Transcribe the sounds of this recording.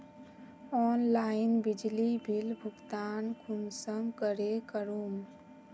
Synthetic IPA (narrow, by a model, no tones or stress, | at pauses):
ɔnlainbid͡ʒlibʱilbʱuɡt̪ankʰunsəmkəɾekəɾum